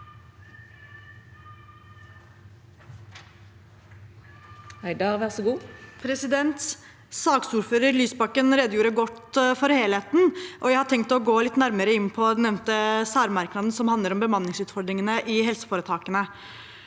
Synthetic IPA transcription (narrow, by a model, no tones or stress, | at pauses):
hæɪd̪ɑʁʋæʁsɔɡuːpʰɾɛsɪd̪ɛnt̪s | sɑːksuːɾføːɾəɾlyːsbɑkːənɾeːd̪əjuːɾəɡɔt̪ːfɔɾheːlheːt̪nʔɔjæɪhɑʈ̪ʰɛŋk̚t̪ɔɡoːlɪt̪ːnæɾməɾəɪnːpʰɔnɛʋnt̪əsæːɾmɑɾknɑːd̪n̩sɔmhɑnd̪ləɾɔmbəmɑnːɪŋsʉːt̪fɔɖ̪ɾɪŋənəʔɪhɛlsə̥foːɾət̪ʰɑːkənə